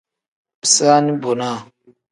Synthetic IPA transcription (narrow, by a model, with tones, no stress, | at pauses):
bi̥˨saː˦ni˦bo˨na˦˨